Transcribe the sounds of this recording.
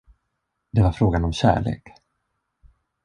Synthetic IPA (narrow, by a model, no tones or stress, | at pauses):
d̪ɛvaɾfɾoːɡanɔmɕæ̰ːɭḛːk